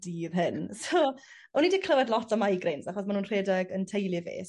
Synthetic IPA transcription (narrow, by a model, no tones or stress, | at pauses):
diːrɦɪnsoː | ɔnidiːkʰləvɛdlˠɔtʰɔmajɡrejnsaχɔsmanuːnr̥eːdɛɡəntʰejlˠɨvḛːs